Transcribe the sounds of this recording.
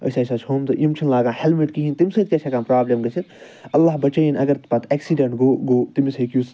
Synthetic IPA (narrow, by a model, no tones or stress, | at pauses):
ɐ̰jsɐːsaːt͡ʃʰhoːmt̪ɨʔimt͡ʃʰinlaːɡãːhelmiʈkiɦint̪imʲsɐːt̪kʲet͡ʃʰɐkaːmpɾaːblemɡɐt͡ʃʰit̪ | ɐlːaːhbɐt͡ʃɐjnɐɡɐɾt̪pɐt̪ʰeksiɖɐɳʈɡoːɡoːt̪imisɐkjuːs